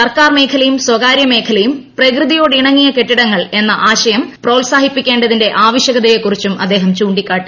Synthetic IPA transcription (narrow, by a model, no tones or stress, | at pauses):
sɐrkaːrme̞ːkʰɐlɐjumswɐɡaːɾjɐme̞ːkʰɐlɐjumprɐkrɨðijo̞ːɽiɳɐŋːijɐke̞ʈːiɽɐŋːɐɭe̞nːɐʔaːɕɐjɐmproːlsaːɦipːikʲːe̞ːɳɖɐðinde̞ʔaːʋɐɕjɐɣɐðɐjekːurit͡ɕːumʔɐ̰d̪ːe̞ːɦɐmt͡ɕuːɳɖikʲːaːʈːɨ